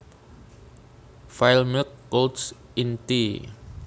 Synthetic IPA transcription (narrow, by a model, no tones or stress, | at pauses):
fajlmɪlkːolts | int̪i